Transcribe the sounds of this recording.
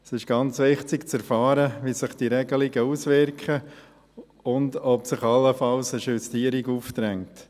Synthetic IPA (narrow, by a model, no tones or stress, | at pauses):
sɪʃɡ̥ɑnt͡sʋɪχtɪkt͡sɛɾfɑːɾəʋisɪχd̥iɾɛɡəlɪɡəuːsʋɪɾkχə | ʊndɔpsɪχɑlːəfɑlsəʃystiːɾiɡuːft̪ɾɛŋt